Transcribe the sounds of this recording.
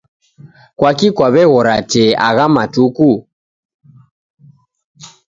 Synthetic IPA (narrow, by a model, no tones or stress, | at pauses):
kwakikwaβɛɣɔɾatɛa̰ɣamatuku